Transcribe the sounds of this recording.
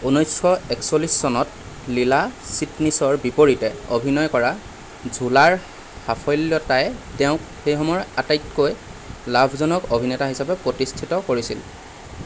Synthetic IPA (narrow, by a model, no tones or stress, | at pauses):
unɔjsxɔɛksolisːɔnɔt̚ | lilasitnisɔɹbipoɹitɛo̰bʱinɔjkɔɹa | zʱulaɹ | hapʰɔjljɔtajtɛʊ̃kxejxɔmɔɹatajtkoj | labʱzɔnɔkobʱinɛtaɦisapɛpɹotistʰitɔkoɹisil